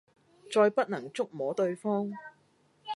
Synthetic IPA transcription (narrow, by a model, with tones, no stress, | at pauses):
t͡sɔː˧jpɐ˥t̚nɐ˨˩ŋt͡sʊ˥k̚mɔː˨˥t̪ɵ˧ɥfɔː˥ŋ